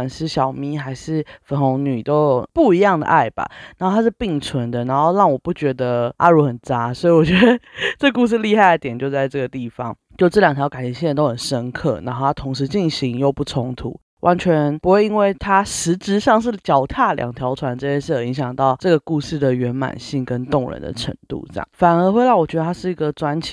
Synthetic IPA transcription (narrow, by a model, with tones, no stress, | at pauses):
nʂɻ̩˥˩ɕjɑ˨˩ʊmi˧˥xa˧˥ɪʂɻ̩˥˩fə˧˥nxo˧˥ŋny˨˩t̪o˥ʊpu˥˩i˧˥jɑ˥˩ŋd̪ə̰˩ʔa˥˩ɪb̥a̰˨˩naa˧˦˥xo˥˩t̪ʰa˥ʂ̬ɻ̩˥˩˧pi˥˩ŋt͡sʰwə˧˦˥nd̪ə˨na˧˥nxo˥˧ʊɻɑ˥˩ŋwɔ˨˩pu˥˩t͡ɕɥɛ˧˥d̪ə˧ʔa̰˥˧ɻu˥˩xə˨˩nt͡sa˦˥swɔ˧˥i˨˩wɔ˨˩t͡ɕɥɛ˧˥d̪ə˧ʈ͡ʂə˥˩ɡə˧˩ku˥˧ʂ̬̩˥˧li˥˧xa˥˩ɪd̪ə˧˩t̪jɛ˨˩nt͡ɕjo˥˧ʊt͡sa˥˧ɪʈ͡ʂɤ˥˩ɡə˩t̪i˥˩fɑ̰˧˦ŋ | t͡ɕjo˥˧ʊʈ͡ʂɤ˥˩ljɑ˨˩ŋt̪ʰjɑ˧˥ʊka˨˩n˧˥ɕi˥˩ə˧nt̪o˥ʊxə˨˩nʂə˥nkʰɤ̰˥˩na˧˥nxo˥˩t̪ʰa˥t̪ʰoʊ˧˥ŋʂ̬ɻ̩˧˥˦t͡ɕi˥˩nɕi˧˥ŋjo˥˧ʊpu˥˩t͡sʰʊ˧˥ŋt̪ʰṵ˨˦ | wʔa˧˦nt͡ɕʰɥɛ˧˦npu˧˥xwe˥˩ɪi˥nwe˥˩ɪt̪ʰa˥ʂɻ̩˧˥ʈ͡ʂɻ̩˧˥ʂɑ˥˧ŋʂ̬ɻ̩˥˩t͡ɕjɑ˨˩ʊt̪ʰja˥˩ljɑ̰˨˩ŋt̪ʰjɑ˧˥ʊt͡sʰwa˧˥nʈ͡ʂɤ˥˧˩t͡ɕjɛ˥˧ʂɻ̩˥˩jə˨˩i˧˥ŋɕjɑ˨˩ŋt̪ɑ˥˩ʊʈ͡ʂɤ˥˩ɡə˩ku˥˧ʂɻ̩˥˩d̪ə˩ɥɛ˧˥nma̰˨˩nɕi˥˩ŋkə˦˥nt̪ʊ˥˩ŋɻə̰˧˦nd̪ə̰˨ʈ͡ʂʰə̰˧˥ŋt̪ṵ˥˩ʈ͡ʂjɑ̰˥˩fa˨˩nə˧˥xwe˥ɪla˥˩wɔ˨˩t͡ɕɥɛ˧˥d̪ə˧t̪ʰa˥ʂɻ̩˥˩i˧˥ɡə˨t͡swa˥nt͡ɕʰi˨˩